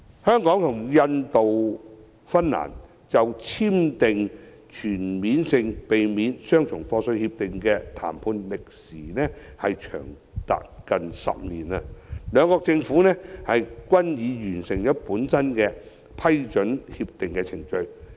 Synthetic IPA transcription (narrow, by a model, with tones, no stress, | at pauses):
hœː˥ŋkɔː˨˥ŋt̪ʰʊ˨˩ŋjɐ˧nt̪o˨w | fɐ˥nːa̰ː˨˩n | t͡sɐ˨wt͡sʰiː˥mt̪ɪ˨ŋ | t͡ʃʰyː˨˩nmiː˨˥nsɪ˧ŋpe˨jmiː˨˥nsœː˥ŋt͡ʃʰʊ˨˩ŋfɔː˧sɵ˧ɥhiː˧p̚t̪ɪ˨ŋkɛː˧t̪ʰa̰ː˨˩mpʰuː˧nlɪ˨k̚siː˨˩nɛː˥ | hɐ˨jt͡ʃʰœ̰ː˨˩ŋ | t̪a̰ː˨t̚kɐ˨nsɐ̰˨p̚niː˨˩nɐ˧lœː˨˧ŋkɔː˧k̚t͡sɪ˧ŋfuː˨˥nɛː˥hɐ˨jkʷɐ˥njiː˨˧jyː˨˩nsɪ˨˩ŋjɐ˨˥puː˨˥nsɐ˥nkɛː˧ | pʰɐ˥jt͡ʃɵ˨˥nhiː˧p̚t̪ɪ˨˩ŋkɛː˧t͡sʰɪ˨˩ŋt͡ʃɵ˧ɥ